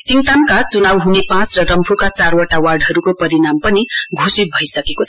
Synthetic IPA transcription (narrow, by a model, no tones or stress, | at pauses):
siŋt̪ankat͡sunawɦunepãt͡srʌɾʌmpʰukat͡sarwʌʈawarɖɦʌɾukopʌɾinampʌniɡʱosit̪̚bʱʌisʌkekot͡sʰʌ